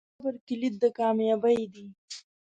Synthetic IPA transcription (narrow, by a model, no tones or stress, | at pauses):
bəɾkɪlit̪̚d̪əkɑːmjɑːbəjd̪i